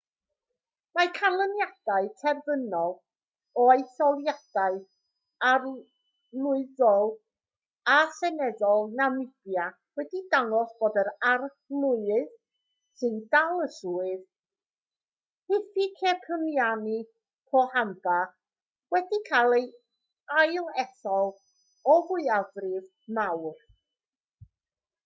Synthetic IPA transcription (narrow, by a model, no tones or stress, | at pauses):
makʰalˠənjad̥aɨtʰɛrðənɔlˠ | ɔjθɔlˠjad̥aɨ | ar | lˠʊɨðɔlˠ | asɛnɛðɔlˠnamɪdja | wɛdidaŋɔsb̥oːdəɾar | lˠʊɨð̥ | sɨndalˠəsuːɨð | hɪfikʰɛkʰəmjanɨ | pʰɔhamba | wɛdikʰalˠej | ajlˠɛθɔlˠ | ɔvʊɨavrɪv | mawχ